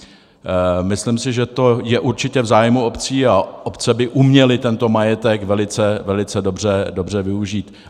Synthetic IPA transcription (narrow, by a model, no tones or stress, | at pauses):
mɪslimsɪʒɛt̪o̞jɛʔuɾt͡ʃɪcɛvzaːjmuo̞pt͡siːaʔopt͡sɛbɪʔumɲɛlɪt̪ɛnt̪o̞majɛt̪ɛkvɛlɪt͡sɛvɛlɪt͡sɛdo̞br̝ɛdo̞br̝ɛvɪuʒiːt̪